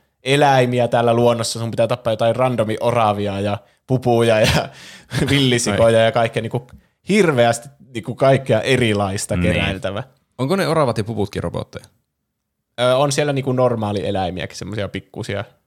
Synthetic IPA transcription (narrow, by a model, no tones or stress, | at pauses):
elæimiæt̪æːlːæluonːosːɑsumpit̪æt̪ɑpːɑjot̪ɑkirrɑnd̪omiʔorɑʋiɑjɑ | pupujɑjɑ | ʋilːisikojɑjɑkɑˑikːejɑniːŋku | hirʋeæst̪iniːkukɑikːiɑʔerilɑist̪ɑkeræ̰ˑelt̪æʋæ | oŋkoneorɑʋɑt̪jɑpuput̪̚kiro̰po̰t̪ːḛjɑ | øːonsielːæniːkunnormɑːlielæimiæ̰ki̥semːosiɑpikːṵsiɑ̰